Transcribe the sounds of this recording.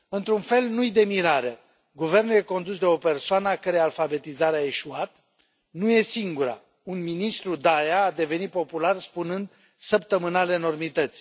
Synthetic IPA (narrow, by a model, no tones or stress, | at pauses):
ɨnt̪ɾunfe̞lnujd̪e̞miɾaɾe | ɡuve̞rnulje̞ko̞nd̪usd̪e̞o̞pe̞rsoanəakəɾealfabe̞t̪izaɾeae̞ʃuat̪ | nuje̞siŋɡuɾa̰ | unminist̪ɾud̪ajaːd̪e̞ve̞nit̪̚po̞pularspunɨnd̪ | səp̚t̪əmɨnale̞no̞rmit̪ət̪sʲ